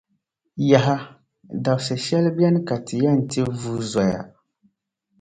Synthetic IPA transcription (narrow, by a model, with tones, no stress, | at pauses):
ja˨ɦa˦ | da˨bsɨ˨ʃɛ˦lbɛ˦nɨ˦ka˨tʰɨ˨ja˦n̩˨ti˦vuː˦zɔ˨ja̰˨